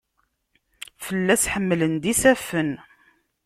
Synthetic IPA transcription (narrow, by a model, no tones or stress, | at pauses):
fəlːæsħəmːlənd̪isæfːən